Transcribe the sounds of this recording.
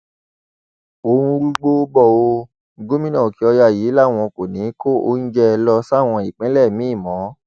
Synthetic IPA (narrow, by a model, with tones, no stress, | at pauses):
o˦ũ˧ɾu˦ɡ͡bo˦bɔ˦˨o˧˦ | ɡo˦mĩ˦nɔ̃˦˨ki˨˦ɔ˧ja˦˨ji˨˦la˦˨w̃ɔ̃˧ko˨nĩ˨˦ko˦˨o̰˦n̩˦d͡ʒɛ˦˧lɔ˧sa˦˨w̃ɔ̃˧i˨k͡pɛ̃˨˦lɛ˦˨mĩ˨˦i˦˨mɔ̃˨˦